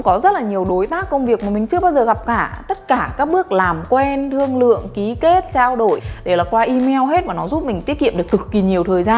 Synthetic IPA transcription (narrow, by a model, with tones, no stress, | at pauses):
ŋ͡mkɔ˨˦zə˦˥t̚laː˨˩ɲi˨˩əwɗo˨˦jt̪aː˦˥kːə˧wŋ͡mvi˨˩ək̚maː˨˩mï˨˩ŋ̟t͡ɕɨ˧əɓaː˧wzəː˨˩ɣa˨˩p̚kaː˧˩t̪ə˦˥t̚kaː˧˩kaː˦˥k̚ɓɨ˦˥ək̚laː˨˩mkwɛ˧nt̪ʰɨ˧əŋlɨ̰˧˨əŋki˨˦ke˦˥t̚t͡ɕaː˧wɗo˧˩jɗe˧˩laː˨˩kwaː˧ʔi˧mɛ˧wɦe˦˥t̚vaː˨˩nɔ˨˦zu˦˥t̚mï˨˩ŋ̟t̪i˦˥ət̚kḭ˧əmɗɨ˨˩ək̚kɨ˨˩kːi˨˩ɲi˨˩əwt̪ʰəː˨˩jzaː˧n